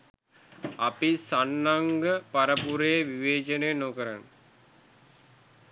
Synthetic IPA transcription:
apisanːaŋɡəpaɾəpuɾejʋiʋeːt͡ʃənejənoːkəɾan

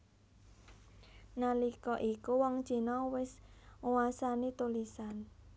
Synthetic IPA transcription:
nalikɔʔikuwɔŋ̥ʒ̥i̤nɔwɪsŋuwasanit̪ulisan

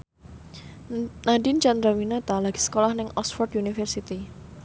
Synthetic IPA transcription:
nadint͡ʃand̪ɾawinat̪alaɡ̥i̥sə̥kolahnɪŋɔsfɔrt̪junifɛrsit̪i

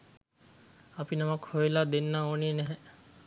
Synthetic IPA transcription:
apinamakhoilad̪enːaoːneːnɛɦɛ

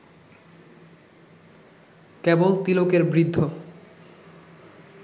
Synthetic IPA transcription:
kebolt̪ilokeɾbɾid̪ʱːo

